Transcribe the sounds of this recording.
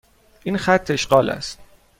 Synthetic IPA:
ʔinxæt̪ʰːe̞ʃɢɒːlæ̰st̪̚

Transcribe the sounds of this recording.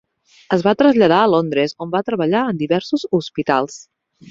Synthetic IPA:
əzβat̪ɾəzʎəð̞aəlond̪ɾezombat̪ɾəβəʎaənd̪iβɛɾsuzuspit̪a̰lˠs

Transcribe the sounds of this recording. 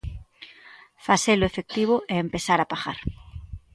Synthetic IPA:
faselʊefek̚t̪iβ̞ʊʔɛempesaɾapaɣa̰ɾ

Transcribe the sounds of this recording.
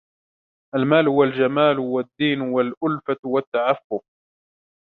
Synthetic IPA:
ʔalmaːlhʊwald͡ʒamaːlwad̪ːiːnwalʔʊlfat̪wat̪ːaʕafːʊq̚

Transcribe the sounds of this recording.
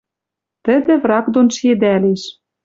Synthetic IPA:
t̪ə̆d̪ɘ̆vrɑkd̪onʃed̪æleʃ

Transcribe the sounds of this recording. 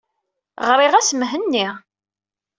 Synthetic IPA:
ʁɾiʁæsəmɦənːi

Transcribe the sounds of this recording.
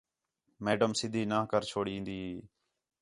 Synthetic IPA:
meːɖəmsɪd̪ʱiːnãːɦkəɾt͡ʃʰoːɽĩːnd̪iːɦeː

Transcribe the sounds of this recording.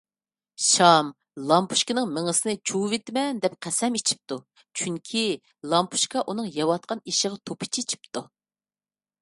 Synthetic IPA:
ʃɑm | lˠɑmpʰu̥ʃkʲɪnɨŋmɪŋəsɨnɨt͡ʃʰuvet̪mɛnd̪ɛp̚qʰæsɛmit͡ʃʰi̥p̚t̪u | t͡ʃʰyŋkʲʰi | lˠɑmpʰu̥ʃkɑʔunɨŋjɑwɑt̪̚qʰɑniʃəʁɑt̪ʰopʰɪ̥t͡ʃʰit͡ʃʰi̥p̚t̪u

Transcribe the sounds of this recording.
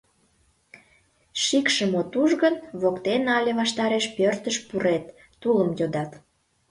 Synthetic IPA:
ʃikʃəmot̪uʒɣənβokt̪enɑlʲeβɑʃt̪ɑɾeʃpørt̪əʃpuɾet̪ː | uləmjod̪ɑt̪

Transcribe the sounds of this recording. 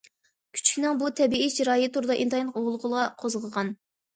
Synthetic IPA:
kʲʰy̥t͡ʃʰkʲinɪŋbut̪ʰɛbiid͡ʒʰiɾɑːjit̪ʰuɾɨd̪ɑʔint̪ʰɑjlˠəqoʁlˠəʁəlˠɑqʰozʁəʁɑn

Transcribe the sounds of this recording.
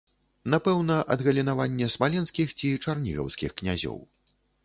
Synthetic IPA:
napɛwnɐʔɐd̪ɣɐlʲinavanʲːɛsmalʲɛnskʲixt͡sʲit͡ʂarnʲiɣɐ̰wskʲixknʲazʲɔ̰w

